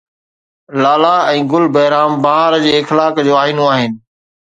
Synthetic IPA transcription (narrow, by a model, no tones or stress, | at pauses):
laːlaɛ̃ːɡʊlbɐɦɾaːmbaɦaːɾd͡ʑeːɪxlaːkd͡ʑoːaːinoaːɦɪnɪ̆